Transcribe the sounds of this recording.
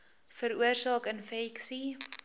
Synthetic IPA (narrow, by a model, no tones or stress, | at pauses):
fəɾuərsɑːkənfɛksi